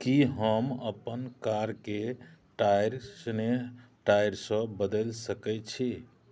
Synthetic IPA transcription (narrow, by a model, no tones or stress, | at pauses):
kiɦəmə̰pənkaɾkeʈajɾsneʈajɾsə̃bəd̪əlsəkɛt͡ʃʰi